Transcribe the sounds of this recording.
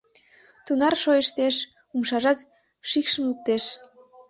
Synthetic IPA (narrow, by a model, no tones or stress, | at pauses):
t̪unɑrʃojəʃt̪eʃ | umʃɑʒɑt̪ | ʃikʃəmuk̚t̪eʃ